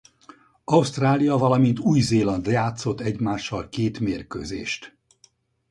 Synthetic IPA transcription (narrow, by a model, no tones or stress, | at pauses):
ɒust̪raːlijɒvɒlɒmint̪uːjzeːlɒnd̪jaːt̪so̞t̪ːɛɟmaːʃːɒlkeːt̪meːrkø̰ːzḛːʃt̪